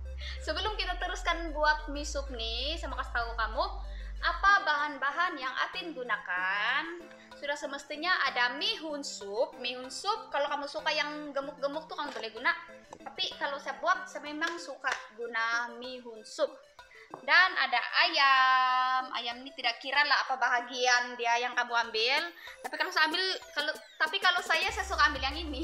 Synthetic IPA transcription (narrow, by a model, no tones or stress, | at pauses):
səbəlʊmkit̪at̪əɾuskanbuak̪̚misʊp̚nisamakast̪aukamuʔapabaɦanbaɦanjaŋa̰t̪ɪnɡunakan | sudahsəməst̪iɲaʔadamiɦunsʊp̚miɦunsʊp̚kalokamusukajaŋɡəmʊk̚ɡəmʊk̚t̪ukanbolɛhɡunaʔt̪apikalosajabuak̚sajamemaŋsukaʔɡunamiɦunsʊp̚ | dana̰daʔaja | mʔa̰jamnit̪idaʔkiɾalaapabaɦaɡiandiajaŋkamuambɪlt̪apikaosaambɪlkalot̪apikalosajasajasukaːmbɪljaŋini